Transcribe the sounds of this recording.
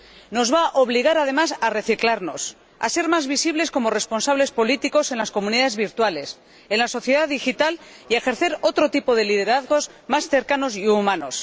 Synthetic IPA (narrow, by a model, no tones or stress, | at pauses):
no̞zβaʔoβ̞liɣ̞aɾað̞e̞masare̞θiklaɾno̞s | a̰se̞ɾmazβisiβle̞sko̞mo̞re̞sponsaβle̞spo̞lit̪iko̞se̞nlasko̞muniðaðe̞zβiɾt̪wale̞s | enlaso̞θjeðaðixit̪al | iaexe̞ɾθe̞ɾo̞t̪ɾo̞t̪ipo̞ðe̞lið̞e̞ɾaðɣo̞zmasθe̞ɾkano̞siumano̞s